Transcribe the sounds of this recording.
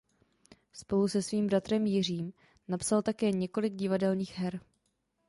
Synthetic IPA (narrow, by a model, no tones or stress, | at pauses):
spo̞lusɛsviːmbɾat̪ɾɛmjɪr̝iːm | napsalt̪akɛːɲɛko̞lɪɡɟɪvadɛlɲiːxɦɛɾ